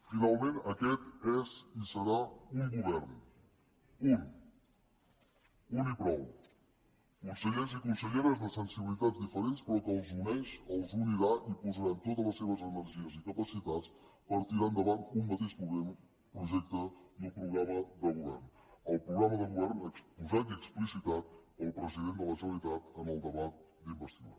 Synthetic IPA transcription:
finalˠmẽnəkɛt̪ɛzisəɾauŋɡuβɛrn | un | unipɾɔw | kunsəʎeɾzikunsəʎeɾəzðəsənsiβilit̪ad͡zd̪ifəɾenspɾɔkəlˠzunɛʃəlˠzuniɾaʔipuzəɾant̪ot̪ələsːeβəzənəɾʒiəzikəpəsit̪at͡spəɾt̪iɾand̪əβant̪umːət̪eʃpuɣem | pɾuʒɛk̚t̪əðulpɾuɣɾaməðəɣuβɛ̰rn | əlˠpɾuɣɾaməðəɣuβɛrnəkspuzat̪iəksplisit̪at̪əlˠpɾəziðend̪ələsəlit̪at̪ənəlˠd̪əβat̪̚ | d̪imbəst̪ia

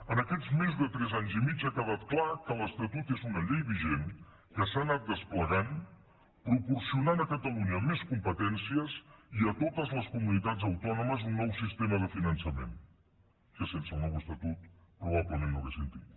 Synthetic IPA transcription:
ənəkɛd͡zmezðət̪ɾɛzaɲzimit͡ʃakəβ̞at̪̚klakələst̪ət̪ut̪ezunəʎejβiʒen | kəsanat̪̚d̪əspləɣan | pɾupuɾsiunanəkət̪əluɲəmeskumpət̪ɛnsiəsiət̪ot̪əzləskumunit̪ad͡zəwt̪ɔnuməzunːɔwsist̪eməð̞əfinənsəmḛn | kəsensəlˠnɔwəst̪ət̪ut̪̚pɾuβ̞aβləmẽnːoɣesənt̪ḭt̪

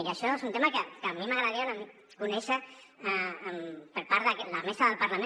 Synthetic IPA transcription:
jəʃɔezunt̪emakəkəmimaɣɾaðɾiaðəm | kunɛʃə | əmpəɾpaɾðəkləmesaðəlpəɾlame

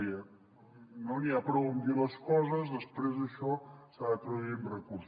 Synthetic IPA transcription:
iə | noniapɾɔund̪iləskɔzəzðəspɾezðəʃɔsaðət̪ɾuðuinrəkuɾs

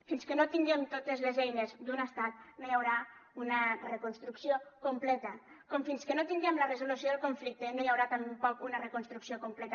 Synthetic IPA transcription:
finskənot̪iŋɡɛmt̪ot̪ezlezɛjnezd̪unəst̪at̪̚nojawɾaunərəkunst̪ɾuksiokumplɛt̪ə | kɔmfinskənot̪iŋɡɛmlərəzulusioðəlˠkuɱflik̚t̪enojawɾat̪ampɔkunərəkunst̪ɾuksiokumplɛt̪

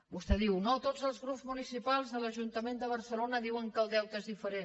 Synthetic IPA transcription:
bust̪ɛðiwnot̪od͡zəlˠzɣɾupzmunisipalˠzðələʒunt̪əmend̪əβəɾsəlonəðiwəŋkəlˠd̪ɛwt̪ezðifəɾen

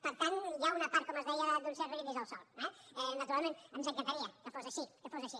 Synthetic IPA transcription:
pəɾt̪anjaunɐpaɾt̪̚kɔməzðɛjəd̪unsɛɾəliðizəlˠsɔlˠɛɛnət̪uɾalˠmẽnəmzəŋkant̪aɾiəkəfozɐʃikəfozəʃi

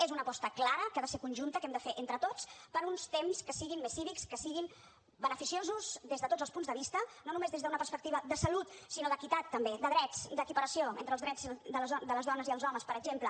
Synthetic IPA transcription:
ezunəpɔst̪əklaɾəkaðəseɾkunʲʒunt̪əkɛmd̪əfeʔent̪ɾət̪ot͡spəɾunst̪emskəsiɣimːesːiβikskəsiɣim | bənəfisiozuzðezðət̪od͡zəlˠspunzðəβ̞ist̪ənonumezðezðəunəpəɾspək̚t̪iβəd̪əsəlut̪sinoðəkit̪at̪ːəmbed̪əðɾɛt͡sd̪əkipəɾəsioḛnt̪ɾəlˠzðɾɛd͡zd̪əlzd̪ələzðɔnəziðəlˠzɔməspəɾəɡʒemplə

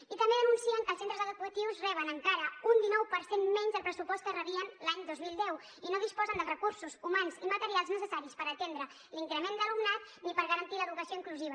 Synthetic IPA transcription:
it̪əmbeðəmunsiəŋkəːlˠsent̪ɾəzəɣðɾikwət̪iwzrɛβ̞ənəŋkaɾəund̪inɔwpəɾsenmɛɲzðəlˠpɾəsupɔst̪kərəβiənlaɲd̪ozmilˠd̪ɛw | inoð̞ispɔzənd̪əlˠrəkuɾsuzumanzimət̪əɾialˠznəsəsaɾispəɾət̪end̪ɾə | liŋkɾəmend̪əlumnat̪ | nipəɾɣəɾənt̪iləðukəsioiŋkluziβ̞ə

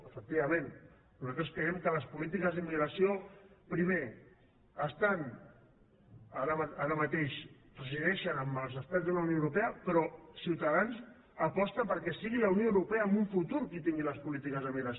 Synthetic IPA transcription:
əfək̚t̪iβɐmẽn | nuzat̪ɾəskɾəɛmkələspulit̪̬ikəzðəmiɣɾəsiopɾime | əst̪an | aɾəmaɾəmət̪eʃpɾəziðɛʃənəməlˠzəst̪ad͡zðələunijoəwɾupeəpɾɔsiwt̪aðanz | əpɔst̪əpəɾkɛsiɣiləunijoəwɾupɛəːmbuɱfut̪uɾkit̪iŋɡiləspulit̪ikəzðəmiɣɾəs

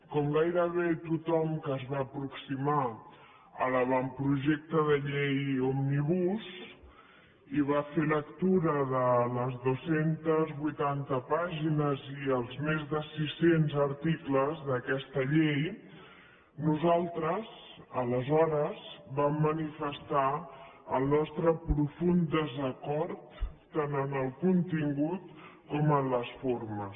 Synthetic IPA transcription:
kɔmɡajɾəβet̪ut̪ɔmkəːzβaːpɾuksima | ələβampɾuʒɛk̚t̪əðəʎejomniβus | iβafelək̚t̪uɾəðələzðosent̪əzβujt̪ant̪əpaʒinəziəlˠzmezðəsisenzəɾt̪ikləzðəkɛst̪əʎej | nuzalˠt̪ɾəzələzɔɾəzbamːənifəst̪aəlˠnɔst̪ɾəpɾufund̪əzəkɔɾt̪ː | anənəlˠkunt̪iŋɡut̪kɔmənləsfoɾməs

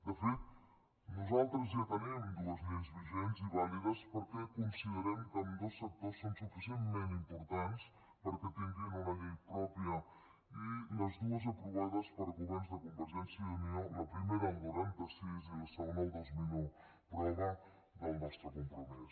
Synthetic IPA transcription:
d̪əfit̪ | nuzalˠt̪ɾəzat̪ənimd̪uəzʎenzβiʒenziβaliðəspəɾkɛkunsiðəɾɛmkəmd̪osːək̚t̪osːonsufisiənt̪mẽnt̪impuɾt̪ans | pəɾkɛt̪iŋɡinunəʎejpɾɔpjə | iləzðuəzəpɾuβaðəspəɾəɣuβɛɾnzðəkumbəɾʒɛnsjəðunioləpɾimeɾəŋɡuɾemd̪əsiziðəsəɣoned̪ozminu | pɾɛɣa | d̪əlˠnɔst̪ɾəkumpɾumis

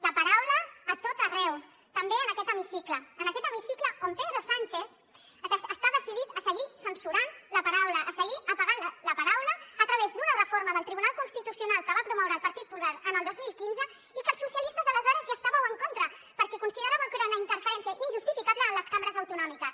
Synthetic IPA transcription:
ləpɐɾawləːt̪ot̪ərɛw | t̪əmbeənəkɛt̪əmisikləːnəkɛt̪əmisikləompeðɾosanʲt͡ʃeθ | əst̪aðəsiðit̪əsəɣisənsuɾanləpɐɾawləʔːsəɣiʔəpaɣanlələpɐɾawləːt̪ɾəβ̞ezd̪unərəfoɾməðəlˠt̪ɾiβunalˠkunst̪it̪usiunalˠkəβapɾumɔwɾəːlˠpɐɾt̪it̪̚pulaɾənəlˠd̪ozmilˠkinzə | ikəlˠsusiəlist̪əzələzɔɾəzjast̪aβəwəŋkont̪ɾə | pəɾkɛkunsiðəɾaβəkeɾunəint̪əɾfəɾɛnsiəʔinʒust̪ifikaβləːnləskambəɾəzəwt̪unɔmikəs

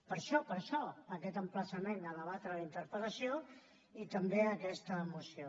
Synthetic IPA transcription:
pəɾʃɔpəɾʃɔəkɛt̪əmpləsəmenələβat̪ɾəlint̪əɾpələsjo | it̪əmbeəkɛst̪əːmusio

